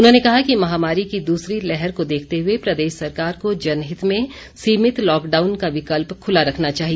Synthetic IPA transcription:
ʊnɦõnekɐɦakimɐɦaːmaːɾikid̪uːsɾilɛɦɛɾkod̪eːkʰt̪eɦʊepɾɐd̪eːʃsɐɾkaːɾkod͡ʒɐnɦɪt̪mẽ | siːmɪt̪lɔːkɖaːʊnkaʋɪkəlpkʰʊlaɾɐkʰnat͡ʃaːɦie

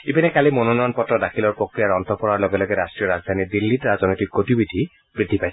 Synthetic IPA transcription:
ipinekalimononɔjɔnpɔtɾɔd̪akʰilɔɹpɾokɾiaɾɔnt̪ɔpɔɾaɹloɡelɔɡeɾasʈɾijɔɾazd̪ʱanid̪ilːiʈɾaznɔjtik̚ɡotibid̪ʱi | b̥ɹid̪ʱːipajs

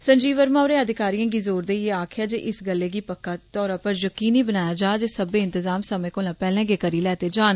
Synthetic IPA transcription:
sə̃ɲd͡ʒiːʋəɾmaːɾẽːəd̪ɪkaːɾijãːɡiːzoːɾd̪eːeːaːkʰɪjaːd͡ʒeːʔɪsɡəlːeːɡiːpəkːaːt̪ɔːɾãːpəɾjəkiːniːbənaːjaːd͡ʒaːd͡ʒeːsəbeːɪ̃nt̪ɪzaːmsəmẽːkoːlãːpɛːlɛ̃ːɡeːkəɾiːlɛːt̪eːd͡ʒaːn

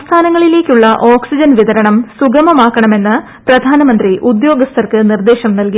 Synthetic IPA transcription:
st̪ʰaːnɐŋːɐɭile̞ːkʲːuɭːɐʔoːksid͡ʑɐnʋiðɐɾɐɳɐmsuɡɐmɐmaːkːɐɳɐme̞nːɨ | prɐd̪ʱaːnɐmɐnd̪riʔud̪jo̞ːɡɐst̪ʰɐrkɨnird̪e̞ːɕɐmnɐlki

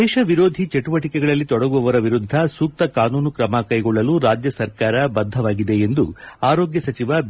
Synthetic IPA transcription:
ɛːʃɐʋiɾo̞ːd̪ʱit͡ʃeʈuʋɐʈikɛɡɐɭɐlːit̪ɔɽɐɡuʋɐʋɐɾɐʋiɾud̪ʱːɐsuːk̚t̪ɐkaːnuːnukɾɐmɐkɐjɡɔɭːɐluɾaːd͡ʒjɐsɐɾkaːɾɐbɐd̪ʱːɐʋaːɡid̪e̞end̪uaːɾoːɡjɐsɐt͡ʃiʋɐb

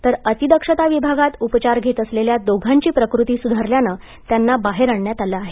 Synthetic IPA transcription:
t̪əɾət̪id̪əkʂət̪aʋibʱaɡat̪upt͡ɕaɾɡʱet̪əsleljad̪oɡʱãɲt͡ɕiːpɾəkɾut̪iːsud̪ʱaɾljanəː | t̪janːabaɦeɾaɳɳjat̪alaːɦe

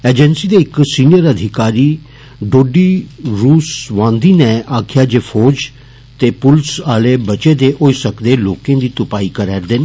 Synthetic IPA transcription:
eːd͡ʒɛnsiːd̪eːɪksiːnijəɾəd̪ʱɪkaːɾiː | ɖoːɖiːɾuːsʋãːnd̪iːnɛ̃aːkʰjaːd͡ʒeːpʰoːd͡ʒ | t̪eːpʊlsaːleːbət͡ʃeːd̪eːʔoːisəkd̪eːloːkẽːd̪iːt̪ʊpaːiːkəɾɛːɾd̪eːn

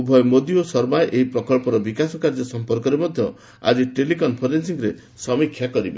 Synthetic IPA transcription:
ubʱɔjɔmod̪iosɔɾbaʔeɦipɾɔkɔɭpɔɾɔbikasɔkaɾd͡ʒɔsɔmpɔɾkɔɾemɔd̪ʱjɔ | a̰d͡ʒiʈelikɔnpʰɔɾensiŋɡɾe | sɔmikʰːjakɔɾibḛ

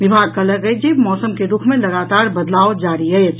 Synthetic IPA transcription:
ʋibʱaɡ̚kələɡəjd͡ʒebmɔsəmkeɾukʰmeləɡat̪aɾbəd̪laod͡ʒaɾiəjt͡ʃʰ

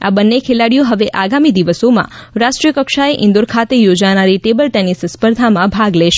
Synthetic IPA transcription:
a̰bənːekʰelaɽijoɦəʋeʔaɡamid̪iʋəsomã̰ɾaʃʈɾijəkəkʃaeʔɪ̃nd̪oɾkʰat̪ejod͡ʒanaɾiʈebəlʈɛnisspəɾd̪ʱamãbʱaɡleʃ

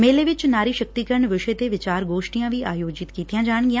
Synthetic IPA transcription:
meːleːʋɪt͡ʃnaːɾiːʃək̚t̪iːkəɾɳʋɪʃet̪eʋɪt͡ʃaːɾɡoːʃʈijãːʋiaːjoːd͡ʒɪt̪kiːt̪ijãːd͡ʒaːɳɡɪjãː

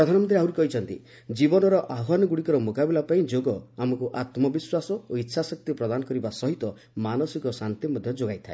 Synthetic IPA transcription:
ɾɔd̪ʱanɔmɔnt̪ɾiawɾikɔɦit͡ʃʰɔnt̪ḭ | d͡ʒibɔnɔɾɔʔaɦanɔɡuɽikɔɾɔmokabilapaĩd͡ʒoɡɔamɔkuʔat̪mɔbiswasɔoitːʃʰasɔk̚t̪ipɾɔd̪anɔkɔɾibasɔɦit̪ɔ | manɔsikɔsant̪imɔd̪ʱjɔd͡ʒoɡajt̪ʰae

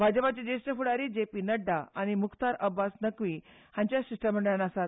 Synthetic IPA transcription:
bʱad͡ʑəpat͡ɕed͡ʑesʈəfuɽaɾiːd͡ʑepiːnəɖːaaɽ̃imukt̪aɾəbːasnəkʋiː | hãɲt͡ɕjaɕiʂʈam̤əɳɖɭanasat̪̚

